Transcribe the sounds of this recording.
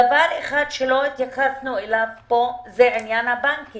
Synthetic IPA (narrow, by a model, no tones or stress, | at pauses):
avaʁeχad̪ʃelo̞it̪jaχasnuelavpo̞zeinjanhabaŋki